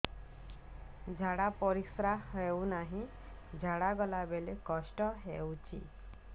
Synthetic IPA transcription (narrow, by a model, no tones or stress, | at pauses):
d͡ʒʱaɽapɔɾisɾaɦewnaɦĩ | d͡ʒʱaɽaɡɔlabelekɔsʈɔɦewt͡ʃʰḭ